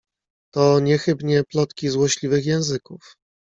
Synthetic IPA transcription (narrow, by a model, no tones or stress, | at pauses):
t̪ɔɲɛxɘbɲɛplɔt̪kʲizwɔɕlʲivɘxjɛ̃w̃zɘkuf